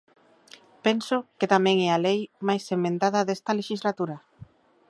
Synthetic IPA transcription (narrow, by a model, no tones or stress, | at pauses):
pensʊket̪amɛ̃ŋɛalejmajsemẽnt̪aðɐðest̪ɐleʃizlat̪uɾɐ